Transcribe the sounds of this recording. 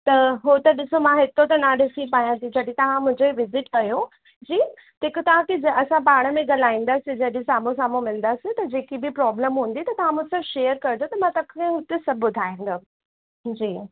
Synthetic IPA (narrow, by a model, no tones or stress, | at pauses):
t̪ɐɦot̪ɐɗɪsomãɦɪt̪ot̪̬ɐnaɗɪsipaːjãt̪ʰĩd͡ʑɐɗit̪ɐʋ̤ãmʊ̃ɦɪ̃ɲd͡ʑoiʋɪzɪʈkɐjo | d͡ʑiː | ɪkʊt̪ɐʋ̤ãkid͡ʑɐsãpaːɽ̃əmẽɡɐlaːĩːn̆d̪aːsɪd͡ʑɐɗẽsaːmõs̬ãːmũmɪlə̃n̆d̪aːsɪt̪ɐd͡ʑeːkibipɾɔːbləmɦũːn̆d̪it̪ɐt̪ɐʋ̤ãmʊ̃t̪ɪsɐbʃeːəɾkɐɾɪd̪ot̪ɐmãt̪ɐkːẽɦʊt̪esɐbʱɓʊd̪ʱaːĩnd̪a | d͡ʑiː